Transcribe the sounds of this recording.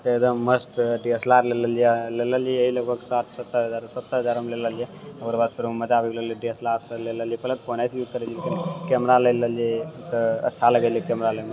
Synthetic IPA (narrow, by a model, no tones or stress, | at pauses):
t̪əekd̪əmːəsʈ̪ɖiəslaɾleləlileləliɛəɦiləɡ̚bʱəɡsat̪ʰsət̪ːəɾɦəd͡ʒaɾsət̪ːəɾɦəd͡ʒaɾmeleləlijɛoɡəɾbad̪̚pʰiɾməd͡ʒabiɡleliɖiəslaɾsə̃leləlijipələt̪̚ponajsjud͡ʒkəɾelikenekɛmɾalələliet̪əə̰tːʃʰaləɡeliikɛmɾaləme